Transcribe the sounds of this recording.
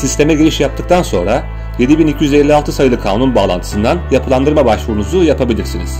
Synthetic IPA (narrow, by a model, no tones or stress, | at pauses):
sist̪ʰe̞mɛɟeɾʲiʃjap̚t̪ʰɯk̚t̪ʰanso̞̰nɾa | je̞d̪ibinicʰijyzelʲːialˠt̪ʰɯsajɯlˠɯkʰaːnunbaːlˠa̰ntʰɯ̥sɯnd̪anjapʰɯlˠand̪ɯɾmabaʃvuɾunuzujapʰabilʲiɾsinḭz̥